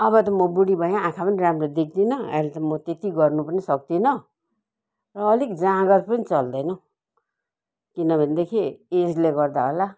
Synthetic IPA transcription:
ʌbʌt̪ʌmʌbuɽibʱʌjãːkʰapʌniramred̪ekʰd̪inʌa̰let̪ʌmʌt̪et̪iɡʌrnupʌnisʌk̚d̪inʌ | rʌːlikd͡zãɡʌrpʌnit͡sʌld̪ʌjnʌ̃ | kinʌbʱʌnd̪ekʰied͡zleɡʌrd̪aɦola

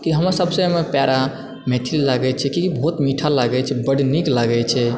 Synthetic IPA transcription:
kiɦəməɾsəbsəmepjaɾa | met̪ʰillaɡɛt͡ʃʰɛkikibʱɔɦt̪miʈʰalaɡɛt͡ʃʰɛbəɽniklaɡɛt͡ʃʰɛ

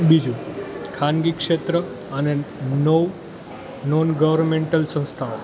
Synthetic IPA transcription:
bid͡ʒũkʰanɡikʂet̪ɾə | ənenoʋ | nɔnɡəʋəɾnmeɳʈəlsə̃w̃st̪ʰao

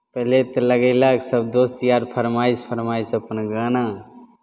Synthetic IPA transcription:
pəɦlet̪ələɡəɪlaksəb̚d̪ost̪ijaɾpʰəɾmaispʰəɾmajsəpənɡana

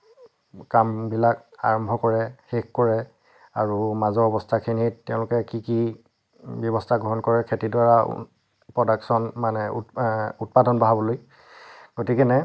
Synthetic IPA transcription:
kambilak | a̰ɹɔmbʱɔkɔɹɛxekkɔɹɛ | aɹumazɔɔbɔstʰakʰinittːɛʊ̃lʊkɛkiki | bjɔβɔstʰaɡɹɔɦɔnkɔɹɛkʰetidwaɹa̰ | pɹɔdaksɔnmanɛṵut̚padɔnbaɦabɔloj | ɡ̥otikɛnɛ

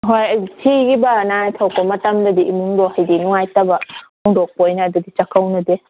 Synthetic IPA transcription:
ɦojtʰiɡibanatʰawkɔmɐtamdɐdiʔimuŋdɔhajdinuŋajtabamɔŋdɔk̚pojnadudit͡ʃakʰawnɐde

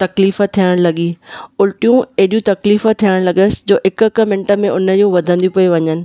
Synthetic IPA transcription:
t̪ɐkliːfət̪ʰijəɽ̃lɐɠiːʊlʈijũɐɦɗijũt̪ɐkliːfət̪ʰijəɽ̃lɐɠəsɪ̥̆d͡ʑoːɦɪkkə̆mɪ̃ɳʈə̆mẽʔʊnə̆d͡ʑũʋɐd̪ʱə̃nd̪iũpɐũʋɐɲənɪ̆

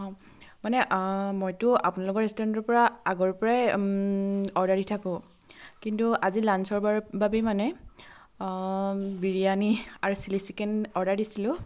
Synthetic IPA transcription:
ɔ̃ | manɛʔmojtʊa̰punalʊkɔɹɛstɔɛntɔɹpɔɹaaɡɔɹpɔɹaj | ɔɹdaɹitʰakʊ̃ | kintuazilansɔɹbababimanɛ | biɹijaniaɹusilisikɛnɔɹdaɹdisilʊ̃

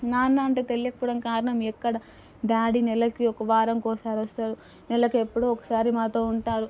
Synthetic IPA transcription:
naːnːaɐɳʈeːt̪e̞lijɐkɐpɔːɽɐmkaːɾɐɳɐmɛkːɐɽɐ | ɖaːɽinɛlːɐkiɔkɐʋaːɾɐmkɔːsaːɾɐst̪aːɽu | nɛlːɐkiepːuɽuːɔkɐ̥saːɾimaːt̪o̞ːuɳʈaːɾu

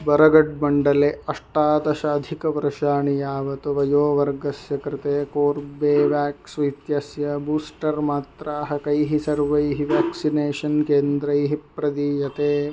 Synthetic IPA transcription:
bɐɾɐɡɐɖ̚bɐɳɖɐleːɐʂʈaːd̪ɐʃɐːd̪ʱikɐʋɐɾɐʃaːɳijaːʋɐt̪uʋɐjoːʋɐɾɡɐsjɐkɾɪt̪eːkoːɾbeːʋjaːksʋɐjt̪jɐsjɐbuːsʈɐɾmaːt̪ɾaːɦɐkɐjɦisɐɾʋɐjɦiʋaːksineːʃɐnkeːnd̪ɾɐjɦipɾɐd̪ijɐt̪eː

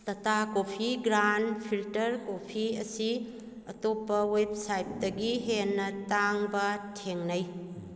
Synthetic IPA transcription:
tɐtakopʰiɡɾanpʰiltɐɾkopʰiɐsi | ɐtopːɐweb̚sajp̚dɐɡiɦenːɐtaŋbɐtʰeŋnɐj

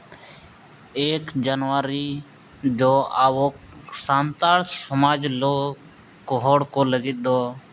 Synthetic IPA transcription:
eːkd͡ʒənʋaːɾiː | d͡ʒoːaːʋoːk | saːnt̪aːlsəmaːd͡ʒloː | koɦoːɽkoːləɡid̪oː

